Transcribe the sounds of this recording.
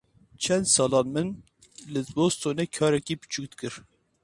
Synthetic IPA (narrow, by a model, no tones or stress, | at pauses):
t͡ʃʰɛnd̪sɑːlɑːnmɨn | lɨzbost̪ʰoːnekʰɑːɾɛkiːpɨ̥t͡ʃʰukt̪kɨɾ